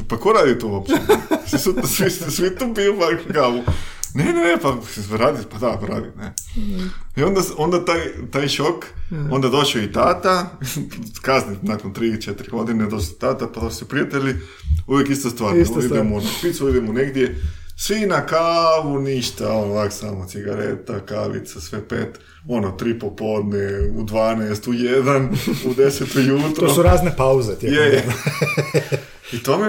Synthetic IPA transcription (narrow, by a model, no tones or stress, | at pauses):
pakoɾaːd̪it̪oapsisut̪sʋissʋit̪uːpiupakkaːʋunenenepasiseɾaːd̪ipad̪akoɾa̰ːd̪ine | io̞nd̪ao̞nd̪at̪ajt̪aːjʃoko̞nd̪ad̪o̞ʃoit̪aːt̪a | kazninakont̪ɾiːt͡ʃet̪ɾiɡo̞d̪ined̪oʃit̪aːt̪apad̪ossipɾiat̪eʎʲi | uʋjekist̪ost̪ʋaːɾid̪emoonopisoid̪emoneɡd̪je̞sʋinakaːʋuniʃt̪aonoʋaksaːmot̪siɡaɾḛt̪akaʋḭt̪sasʋepeːt̪ | onot̪ɾipopo̞ːd̪neud̪ʋaːneːst̪ujed̪anud̪eset̪ojuːt̪ɾoosuɾaːznepauzet̪jeje | it̪oːme